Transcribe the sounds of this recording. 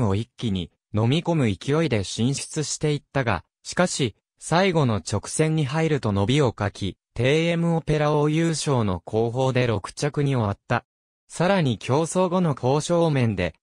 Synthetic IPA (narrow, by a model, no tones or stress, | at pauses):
o̞ikʲːiɲ̟i | no̞mʲiko̞mɯ̟ikʲio̞id̪e̞ɕĩɰ̃ɕi̥t͡sɨɕi̥t̪e̞it̪ːaɡa̰ | ɕi̥kaɕi | saiɡo̞no̞t͡ɕo̞kɯ̟̥sẽ̞ɲ̟ːiɦaiɾɯ̟t̪o̞no̞bʲio̞kakʲit̪e̞ːe̞mɯ̟o̞pe̞ɾaojɯːɕo̞ːno̞̰kʰo̞ːɦo̞ːd̪e̞ɾo̞kɯ̟̥t͡ɕakɯ̟ɲ̟io̞βat̪ːa | saɾaɲ̟ikʲʰo̞ːso̞ːɡo̞no̞kʰo̞ːɕo̞ːmẽ̞nd̪e̞̰